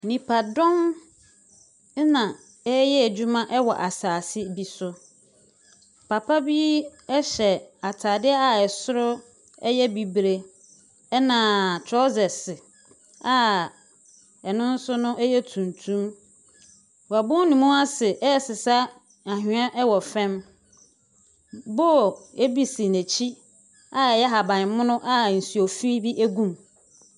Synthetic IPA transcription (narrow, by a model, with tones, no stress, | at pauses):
nĩ˨pʰa˨dɔ̃˦n˦ | nã˨ | ɛ˦jɛ˦æ˨d͡ʑu˦mã˦ʔɛ˦wɔ̰˨ʔa˨saː˨sɪ˦bi˦sʊ˦ | pʰa˨pʰa˦bi˦ɛ˦ɕɛ˨a˨tʰaː˨dɪ˦a˨ɛ˨sʊ˦ɾʊ˦ | ɛ̰˦jɛ˦bi˨bɾe˦ | ɛ˦nã˨tʰɾɔ˦zɛ˨s | a˨ | ɛ˨nʊ̃˦n̩˦sʊ˦nʊ̃˦ʔɛ˦jɛ˦tʰũ˨ntʰũ˦m | wa˨bʊ̃˦n˦nĩ˨mũ˦a˦sɪ˨ʔɛ˦˨sɪ˨sa˦ | a˨ɦɪ˨˦ã˦ʔɛ˦wɔ˨fɛ̃˦m | bɔ˦˨e˦bi˨sɪ˨næ˨t͡ɕʰi˦ | a˨ɛ˨jɛ˦ɦa˨bã˨n˨mʊ̃˦nʊ̃˦ʔa˦n̩˨su˨o˨fi˦bi˦ʔæ˦ɡũ˨m